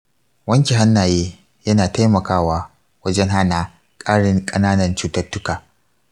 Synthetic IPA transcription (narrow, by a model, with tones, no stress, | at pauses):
wɐ˦ŋkʲi˨ɦa˦nːaː˨jeː˦ | jɐ˦naː˨ta˦jmɐ˨kaː˦waː˦ | wɐ˦d͡ʒɛ˦ŋɦa˦naː˨ | kʼaː˦ɽɪ˦ŋkʼɐ˦naː˦nɐ˨nt͡ʃuː˦tɐ˦rtːʊ˦kaː˨